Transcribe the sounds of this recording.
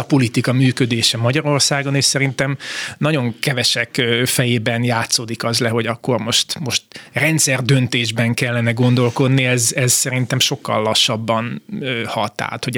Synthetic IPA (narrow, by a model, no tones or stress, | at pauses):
ɒpo̞lit̪ikɒmyːkø̞d̪eːʃɛmɒɟɒɾo̞rsaːɡo̞neːʃsɛɾint̪ɛmnɒɟo̞ŋkɛvɛʃɛkːfɛjeːbɛnjaːt̪soːd̪ikɒzlɛɦo̞ɟɒkːo̞rmo̞ʃt̪mo̞ʃt̪rɛnt̪sɛrd̪ø̞nt̪eːʒbɛŋkɛlːɛnɛɡo̞nd̪o̞lko̞d̪niɛzɛzsɛɾint̪ɛmʃo̞kːɒ̰lːɒʃːɒbːɒnøhɒt̪a̰ːt̪ho